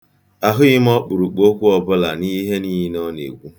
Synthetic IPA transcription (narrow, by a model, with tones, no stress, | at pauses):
a˨ɦʊ˦ɣɪ˦m˦ɔ˦k͡pʊ˨ɾu˨k͡po˦kʷu˦ɔ˦bʊ˦la˨ni˦ɦe˦ni˦ɦi˦nɔ˦nḛ˨ɡʷu˦